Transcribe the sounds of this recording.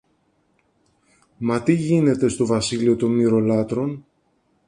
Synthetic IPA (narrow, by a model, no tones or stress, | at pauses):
mɐt̪iʝine̞t̪e̞st̪o̞vɐsilio̞t̪o̞nmiɾo̞lɐt̪ɾo̞n